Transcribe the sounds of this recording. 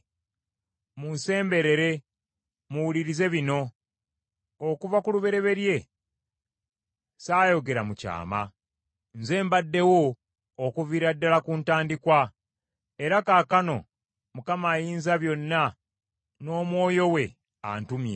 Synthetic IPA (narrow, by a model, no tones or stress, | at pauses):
munse̞ːmbe̞ɾe̞ɾe̞ | muwuliɾize̞βino̞ | kuvakuluβe̞ɾe̞βe̞ɾje̞ | saːjo̞ɡe̞ɾamuca̰ːma̰ | nze̞ːmbadːe̞wo̞ː | kuviɾadːalakuntaːndikwa | e̞ɾakaːkano̞̰ | mukamaːjiːnzaβjo̞nːa | no̞ːmwo̞ːjo̞we̞ | a̰ntumjḛ